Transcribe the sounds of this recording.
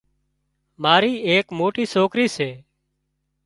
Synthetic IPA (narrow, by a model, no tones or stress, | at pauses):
maːɾiːeːkmoːʈiːsoːkɾiːseː